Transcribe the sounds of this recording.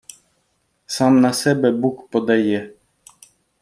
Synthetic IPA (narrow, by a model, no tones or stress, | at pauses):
sɑmnɐsɛbɛbukpɔd̪ɐjɛ